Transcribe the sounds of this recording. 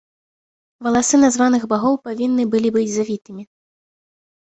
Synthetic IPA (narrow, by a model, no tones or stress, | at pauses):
vɐlˠasɨnazvanɨɣbaɣɔwpavʲinːɨbɨlʲibɨd͡zʲzavʲit̪ɨmʲi